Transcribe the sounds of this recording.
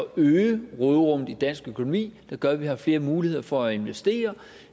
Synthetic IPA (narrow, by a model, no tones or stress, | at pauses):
ɒøːʁɔðˠʁɔ̽m̰ðˠid̥æn̰sɡ̥økʰo̝no̝mḭːd̥ɑ̈ɡ̥ɶɐʋihɑ̈fle̝ːɐmuːlihe̝ð̞̰ˠɐfɒ̽æe̝nʋesd̥e̝̰ːɐ